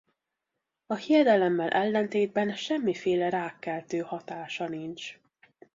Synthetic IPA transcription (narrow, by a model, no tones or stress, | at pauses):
ɒhijɛd̪ɛlɛmːɛlʔɛlːɛnt̪eːd̪̚bɛnʃɛmːifeːlɛɾaːkːɛlt̪øːhɒt̪aːʃɒnint͡ʃ